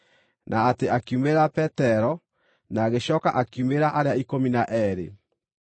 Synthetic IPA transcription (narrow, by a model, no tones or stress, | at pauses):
nʔaːteakiumeɾapɛtɛɾɔ | naːɣeɕɔːka̰ʔakiumeɾaʔaɾeaikominaʔɛɾḛ